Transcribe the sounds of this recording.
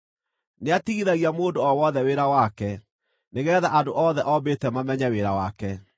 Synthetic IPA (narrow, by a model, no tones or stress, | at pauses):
neatiɣiðaɣiamoːdoɔwɔðɛweɾawakɛ | neɣɛðaʔadoʔɔðɛʔɔbetɛmamɛɲaweɾawakɛ